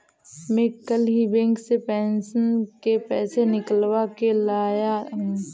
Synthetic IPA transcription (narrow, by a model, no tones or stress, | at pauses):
mekəlɦibɛ̃ːŋksepɛːnsənkepɛːsenɪkəlwakelaːjaɦ